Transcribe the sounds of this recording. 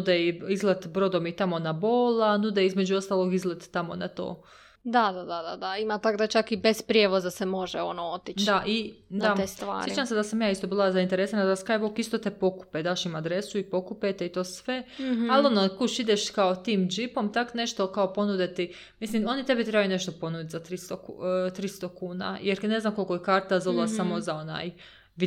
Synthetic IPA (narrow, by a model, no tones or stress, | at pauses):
ud̪eiizlˠat̪bɾo̞d̪omit̪amo̞naboːlanud̪eizmed͡ʑuo̞st̪aːlˠo̞ɡizlet̪ːamo̰nat̪o̰ː | d̪ad̪ad̪ad̪ad̪aimat̪akd̪at͡ʃakibespɾʲjeʋozasemo̞ʒɛonoot̪it͡ʃd̪aʔid̪aest̪a̰ːset͡ʃamsed̪asamjaːist̪o̞biːlˠazaint̪eɾesanad̪askajbokist̪ot̪epo̞ku̥ped̪aːʃimad̪ɾesuipo̞kupet̪eit̪o̞ːsʋe̞alonokuʃid̪eʃkaot̪iːmd͡ʒipo̞mt̪akne̞ʃt̪o̞kaopo̞nud̪et̪i | mislimo̞nit̪e̞bit̪ɾe̞bajune̞ʃt̪opo̞nud̪it̪zat̪ɾist̪okt̪ɾist̪okuːna̰jeɾne̞znamkolʲkojekaːɾt̪azollasamozao̞na̰ːj | ʋi